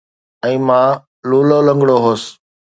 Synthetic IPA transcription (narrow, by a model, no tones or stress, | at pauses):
ɛ̃ːmãː | luːloːlə̃ŋɡɽoːɦoːs